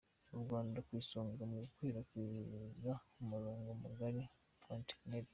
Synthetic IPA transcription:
oɾuɡaːndakwiːsoːŋɡamuukwiːɾakwizaomuɾoːŋɡomuɡaɾi | kwantekneɾi

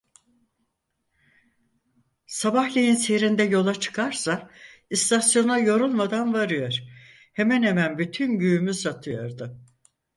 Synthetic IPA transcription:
sabahlʲijinseɾind̪ɛjo̞lˠat͡ʃʰɯ̥kʰaɾsaist̪ʰasjo̞najo̞ɾulˠmad̪anvaɾɯjoɾ̥ | hemɛnhemænbyt̪ʰynɟyymyzat̪ʰɯjoɾd̪ɯ

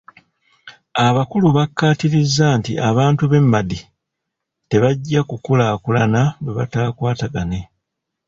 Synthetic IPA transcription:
aβakuluβakːaːtiɾizːantiʔaβaːntuβe̞mːadi | te̞βaɟːakukulaːkulanaweβa̰taːkwaːtaɡane̞

